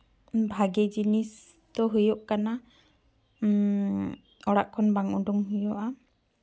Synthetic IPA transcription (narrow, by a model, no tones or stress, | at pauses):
bʱaɡɛd͡ʒinis | d̪ɔɦɯjɔʔkana | ɔɽa̰ʔkʰɔnbaŋuɖuŋɦujɔʔa